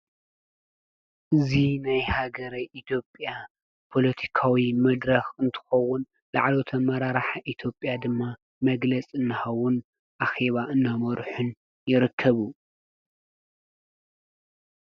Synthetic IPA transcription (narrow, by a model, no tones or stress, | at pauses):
ʔɨzinajhaɡɐɾajʔit̪ʰjo̞pʼja | pʰo̞lɐt̪ʰi̥kʰawimɐd̪ɾɐxɨnt̪ʰɨ̥xɐwːʊn | la̰ʕlo̞t̪ʰɐmɐɾaɾaħaʔit̪ʰjo̞pʼjad̪ɨmːa | mɐɡlɐt͡sʼɨnːɨxɐwːʊn | ʔaxe̞βaʔɨnːamɔɾħʊn | jɪɾɨkʰːɐβu